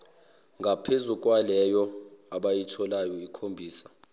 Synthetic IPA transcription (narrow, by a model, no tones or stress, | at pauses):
ŋɡʱapʰezuk̬ʼwalɛjɔaɓajitʰɔlajɔikʰombʱiːsḁ